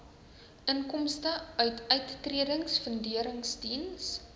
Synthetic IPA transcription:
ʔənkɔmstəœɥtʰœɥtːriədəŋsfəndiəɾəŋsdins

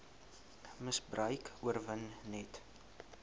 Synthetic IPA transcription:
məsbrəjkuərvənːɛt

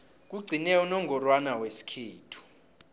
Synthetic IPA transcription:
k̬uɡ͡ǀʱinɛɔnɔŋɡɔrwanawesi̥kʰiːtʰu̥

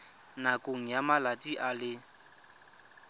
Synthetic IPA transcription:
nakʼoŋ̩jamalatʼiʔalɪ

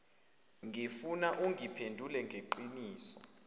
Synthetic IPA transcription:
ŋifunaʔuŋʱipʰendʱulɛŋɡʱeǃiniːsɔ̥

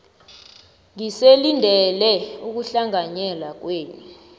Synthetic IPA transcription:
ŋiselindʱɛlɛuk̬uɬaŋaɲɛlak̬weːni

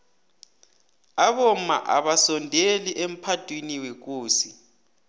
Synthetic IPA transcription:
aβom̩ma̰ʔa̰ɓasɔndʱeliʔem̩pʰatʼwiniwek̬uːsi

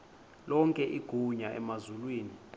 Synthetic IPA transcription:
lɔŋkʼɛʔiɡ̥ʱuɲaʔɛ̰mazulwiːni

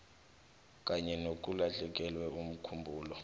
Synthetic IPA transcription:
k̬ʼaɲɛnok̬ʼulaɬɛk̬ʼɛlwɛum̩kʰumbʱuːlɔ

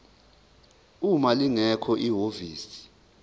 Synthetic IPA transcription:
umaliŋɛkʰɔʔiɦoviːsi̥

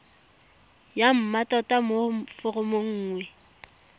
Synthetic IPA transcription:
jam̩matʼɔtʼamofʊrʊmoŋ̩ːŋwɛ

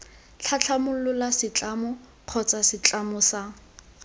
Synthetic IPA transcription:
t͡ɬʰat͡ɬʰamʊlʊlasɪt͡ɬʼamʊ | q͡χʰɔt͡sasɪt͡ɬʼamʊsa

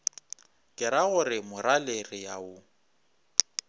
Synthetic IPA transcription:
kʼɪɾaɣʊrɪmʊɾalerɪjaʊ

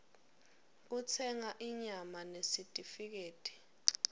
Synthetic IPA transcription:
k̬ut͡sʰɛŋaʔiɲamanesitʼifik̬eːtʼi̥

